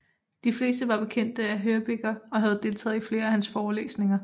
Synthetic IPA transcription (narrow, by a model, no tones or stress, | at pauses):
d̥ifle̝̰ːsd̥əʋɑ̈b̥e̝kʰen̰d̥əæɦøɐb̥eɡ̥ɐɒ̽ɦæð̩ˠd̥e̝lt͡sʰɛ̰ːð̞̩ˠifle̝ːɐæhænsfɒːlḛːsne̝ŋɐ